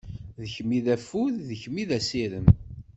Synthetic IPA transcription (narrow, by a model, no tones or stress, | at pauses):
ðəçmːiðæfuððəçmiðæsiɾəm